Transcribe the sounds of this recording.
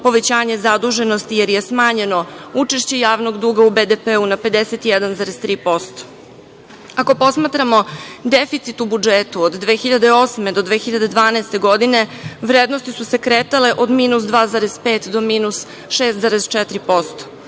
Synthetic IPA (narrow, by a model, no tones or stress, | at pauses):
po̞ʋet͡ɕaːɲe̞zad̪uʒe̞no̞st̪ijeɾje̞smaːɲe̞no̞ut͡ʃe̞ʃt͡ɕe̞jaːʋno̞ɡd̪uːɡaubed̪epeunape̞d̪eset̪ijɛd̪anzaːɾezt̪ɾiːpo̞st̪o̥ | ako̞po̞smaːt̪ɾamo̞d̪efit̪sit̪ubud͡ʒeːt̪uod̪d̪ʋe̞ːxiʎad̪eo̞sme̞d̪o̞d̪ʋeːxiʎad̪e̞d̪ʋaːnɛːst̪e̞ɡo̞d̪ine̞ʋɾeːd̪no̞st̪isuse̞kɾeːt̪ale̞ʔo̞d̪miːnusd̪ʋaːzaːɾez̥peːt̪d̪omiːnus | ʃeːst̪zaːɾezt͡ʃɛt̪ɾipo̞st̪o̥